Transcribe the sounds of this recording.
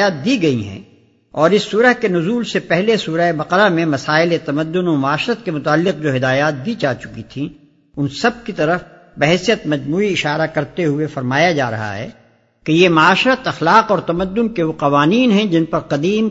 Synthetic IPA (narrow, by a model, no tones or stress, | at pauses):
jaːt̪̚d̪iɡɐiɦɛ̰̃ | ɔːɾɪsːuːɾəɦkenʊzuːlsepɛɦlesuːɾaebɐqəɾamẽmɐsaːɪlet̪ɐməd̪ːʊnõmɐaːʃɾət̪kemʊt̪aːlːɪq̚d͡ʒoːɦɪd̪aːjaːt̪̚bid͡ʒaːt͡ʃʊ̥kit̪ʰĩ | ʊnsɐb̚kit̪ɐɾəf | bɐɦɛsijət̪mɐd͡ʒmuːiɪʃaːɾakɐɾt̪eɦʊefɐɾmaːjad͡ʒa̰ːɾɐ̰ɦa̰ɦɛ̰ː | kejemɐaːʃɾət̪ɐxlaːqɔːɾt̪ɐməd̪ːʊnkeʋoqɐʋaːniːnɦɛ̃d͡ʒɪnpɐɾqɐd̪iːm